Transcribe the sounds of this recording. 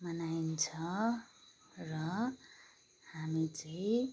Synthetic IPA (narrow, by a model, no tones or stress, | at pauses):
mʌnaint͡sʰʌ | rʌ | hamit͡sʌĩ